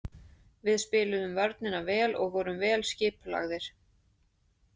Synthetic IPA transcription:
vɪðspɪːlʏðʏmvaɾt̪̚nɪnavɛːlɔɣvɔːɾʏmvɛːlscɪːpla̰ɣðɪɾ̥

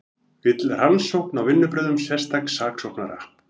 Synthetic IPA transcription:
vɪt̪lransowhknawvɪnːʏpɾɛːðʏmsjɛ̥st̪aksaːksowhkna̰ɾa̰hp

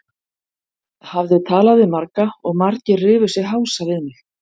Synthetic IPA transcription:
havðɪt̪ʰaːlaðɪmaɾkaɔɣmaɾcɪrɪːvʏsɪɦawsavɪðmɪ

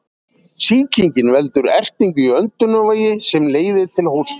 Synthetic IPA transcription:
siːcʰiɲcɪnvɛlt̪ʏɾɛr̥t̪iɲcʏœnt̪ʏnɔvaːjɪsɛmleːjðɪt̪ʰɪlhows

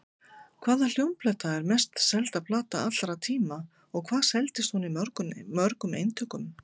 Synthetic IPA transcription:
kʰvaːðal̥jowmplɛt̪aɛɾmɛst̪sɛlt̪aðplaːt̪aat̪l̥ɾat̪ʰiːma | ɔɣkʰv̥aːðsɛlt̪ɪst̪hunimœɾkʏmːœɾkʏmḛːjnt̪ʰœkʏm

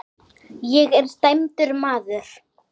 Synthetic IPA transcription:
jɛɣɛɾ̥st̪ajmt̪ʏɾmaːðʏɾ̥

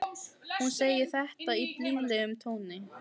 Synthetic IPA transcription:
hunseːjɪɾ̥θɛht̪aip̪liːvlɛɣʏmt̪ʰoːwnɪ

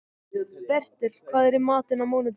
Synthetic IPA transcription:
pɛr̥t̪ɪl̥kʰvaːðɛɾimaːt̪ɪnamoːwnɪt̪

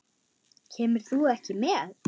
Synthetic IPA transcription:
cʰɛːmɪɾ̥θuɛhcɪmɛð

